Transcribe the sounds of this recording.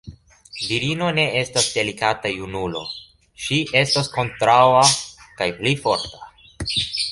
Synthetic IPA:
viɾino̞ne̞e̞stasde̞likatajunulo̞̰ | ʃiʔe̞stasko̞ntɾawakajplifo̞ɾtḁ

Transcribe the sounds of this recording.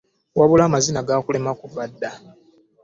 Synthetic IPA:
waβulaːmazinaɡaːkule̞makuvadːa

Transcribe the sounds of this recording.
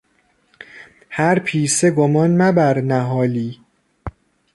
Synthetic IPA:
hæɾpʰiːseɡomɒːnmæbæɾnæɦɒːliː

